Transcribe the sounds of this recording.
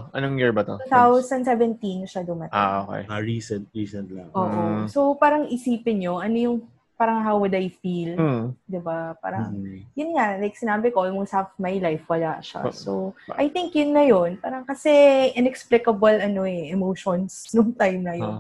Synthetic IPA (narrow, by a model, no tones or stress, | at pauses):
ʔɐnoŋjiɹbɐt̪o̰uθawsɐnsɛvɛnt̪inʃad̪ʊmɐt̪a̰o̰kḛjaɹiːsɛnt̪̚ɹiːsɛnt̪lɐŋʔoːʔʔosopaːɾɐŋʔɪsiːpɪnɲo̞ʔɐnojʊŋ | paːɾɐŋɦawwʊd̪ɐjfild̪ɪbapa̰ːɾɐ̰ŋjʊnŋalajk̚sɪnaːbɪkoʔmʊŋsafmajlajfwɐlaʃa̰sowʔɐjt̪ɪŋkjʊnːɐjo̞npaːɾɐŋkɐsɛʔɪnɛksplɪkɐbɐlʔɐno̞ɛɛmoːʃonsnoŋt̪ajmnɐjo̰n